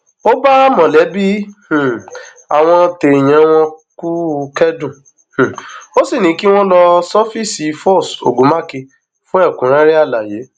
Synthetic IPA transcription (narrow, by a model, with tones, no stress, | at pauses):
o˦ba˦mɔ̃˨lɛ˨˦bi˦h̩˨ | a˨w̃ɔ̃˧te˨j̃ɛ̃˨˧˦w̃ɔ̃˧ku˦kɛ˦dũ˦˨ | h̩˨o˦si˦˨nĩ˨˦ki˦w̃ɔ̃˦lɔ˧sɔ˦fi˦˨si˨˦fɔ˦˨so̰˨ɡũ˨˦ma˦˨ke˧ | fũ˦ɛ˦˨kũ˨˦ɾ̃ã˦ɾi˦a˦˨la˨je˨˦